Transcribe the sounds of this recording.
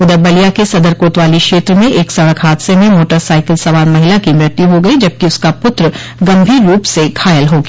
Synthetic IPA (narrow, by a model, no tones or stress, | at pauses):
ʊd̪əɾbɐlijakesɐd̪əɾkoːt̪ʋaːlikʃeːt̪ɾəmẽʔeːksɐɽəkʰɦaːd̪semẽmoːʈəɾsaːɪkəlsɐʋaːɾmɐɦɪlakimɪɾt̪iɦoɡɐid͡ʒɐb̚kiʊskapʊt̪ɾə | ɡɐ̃mbʱiːɾːuːpsekʰaːjəlɦoːɡ